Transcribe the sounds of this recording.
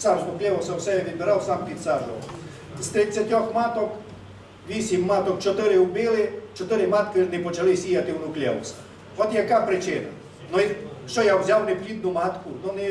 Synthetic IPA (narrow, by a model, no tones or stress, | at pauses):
saɾznʊklʲɛʋɔsɔwsɛɛʋʲɪbɪɾawsampʲit̪saɾʒɔ̰ | st̪ɾɪsʲjatʲɔxmat̪ɔk | ʋʲisʲimːat̪ɔkt͡ʃɔt̪ɪɾɪwbɪlˠɪt͡ʃɔt̪ɪɾɪmat̪kɪrnɛpɔt͡ʃɐlˠɪsʲijat̪ɪwnʊklʲɛ̰ʋɔ̰s | ɔt̪jakapɾɪt͡ʃɪna̰ | nɔʃɔjawzʲawnɛplʲid̪nʊmat̪kʊnɔnɛ